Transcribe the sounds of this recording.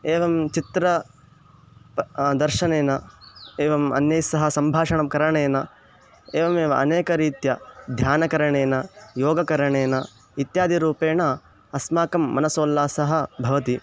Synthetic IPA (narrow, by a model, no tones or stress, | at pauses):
eːʋɐmt͡ʃit̪ɾɐ | d̪ɐɾʃɐneːnɐeːʋɐmɐ̰njɐjsɐɦɐ̆sɐmbʱaːʂɐɳɐmkɐɾɐɳeːnɐ | eːʋɐmeːʋɐɐneːkɐɾiːt̪jɐd̪ʱjaːnɐkɐɾɐɳeːnɐjoːɡɐkɐɾɐɳeːnɐ | it̪jaːd̪ʱiɾuːpeːnɐ | ɐsmaːkɐmːɐnɐsoːlːaːsɐɦɐ̆bʱɐʋɐt̪i